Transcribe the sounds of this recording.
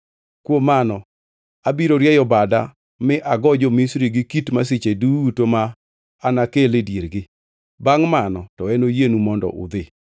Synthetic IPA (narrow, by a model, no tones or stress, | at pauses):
kwomːanɔ | abiɾoɾjɛjɔbada | mɪʔaɡɔd͡ʒɔmisɾiɡɪkitmas̬it͡ʃedutomaː | nakeledjeɾɡɪ | baŋmanɔtɔɛnojenumɔndɔ̰ʔʊ̰d̪ɪ